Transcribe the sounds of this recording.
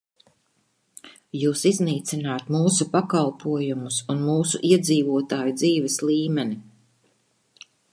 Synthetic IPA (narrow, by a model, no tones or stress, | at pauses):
juːsizniːt̪sinaːt̪muːsupakalˠpʰuɔjumusunmuːsṵʔiɛd̪ziːvuɔt̪aːjud̪ziːvɛsliːmɛni